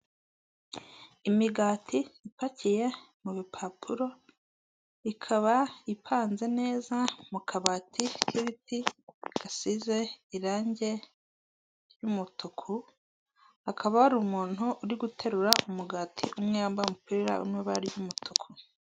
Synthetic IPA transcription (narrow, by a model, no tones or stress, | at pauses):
imiɡaːtʰiipacije̞ | muβipʰapʰuɾo̞ | ikʰaβaipʰaːnze̞ne̞ːzamukʰaβaːtʰikʰiβitiɡ̥asize̞iɾaːɲɟe̞ | ɾjumutukʰu | akʰaβahaɾumuːn̥uʔːɾiɡutʰe̞ɾuɾaʔumuɡaːtʰḭʔumŋeambaumupiːɾa̰ʔṵɾmŋeβaɾjumutʰukʰu